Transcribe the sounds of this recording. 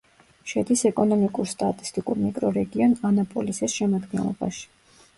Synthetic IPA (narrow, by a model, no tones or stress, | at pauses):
ʃɛd̪isɛkʼɔnɔmikʼuɾst̪ʼat̪ʼi̥st̪ʼikʼuɾmikʼɾɔɾɛɡiɔnanapʼɔlisisʃɛmad̪ɡɛ̰nlˠɔ̰ba̰ʃi̥